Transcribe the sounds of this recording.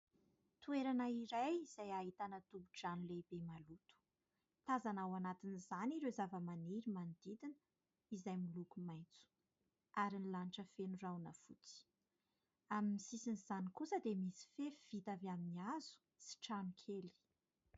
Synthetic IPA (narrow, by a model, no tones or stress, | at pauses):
t̪ueɾanaiɾajiz̥ajaɦit̪anət̪ubuʈ͡ʂanlebemalut̪u̥ | t̪azanawanat̪inizaniɾezavəmaniɾimand̪id̪inə | izajmilukumajnt͡su̥ | aɾinlaniʈ͡ʂəfenurawnəfut͡si̥ | amimisisinizanikusəd̪emisi̥feiv̥it̪avaminiazu̥ | si̥ʈ͡ʂanukʰeli̥